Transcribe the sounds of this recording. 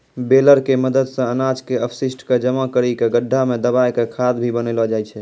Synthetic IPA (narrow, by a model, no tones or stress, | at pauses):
beləɾkeməd̪əd̪sə̃ənad͡ʒkeəpʰsisʈked͡ʒəmakəɾikeɡəɖʱːamed̪əbajkekʰad̪bʱibənɛlɔd͡ʒajt͡ʃʰɛ